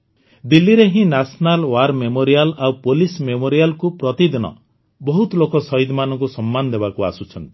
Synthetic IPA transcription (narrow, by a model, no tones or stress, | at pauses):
d̪ilːiɾeɦĩnasnalwaɾmemoɾijalawpolismemoɾialkupɾɔt̪id̪inɔ̰ | bɔɦut̪ɔlokɔsɔid̪manɔŋkusɔmːanɔd̪ebakua̰sut͡ʃʰɔnt̪i̥